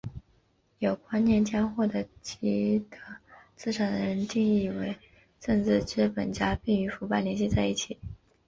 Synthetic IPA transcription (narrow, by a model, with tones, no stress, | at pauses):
jo˨˩ʊkwa˥nnjɛ˥˩nt͡ɕjɑ˥ŋxwɔ˥˩d̪ə˩t͡ɕi˧˥d̪ʰə˧˩t͡sɹ̩˥˩ʈ͡ʂʰa˨˩ŋd̪ə̰˧˦ɻə˧˥nt̪i˥˧ŋi˥˩we˧˥ɪ | ʈ͡ʂə˥˧ŋt͡sɹ̩˥˧ʈ͡ʂɻ̩˥˩pə̰˨˩nt͡ɕja˥pi˥˩ŋy˧˥fu˧˥pa˥˩ɪljɛ˧˥nɕi˥˧t͡sa˥˧ɪi˥˩t͡ɕʰi˨˩˦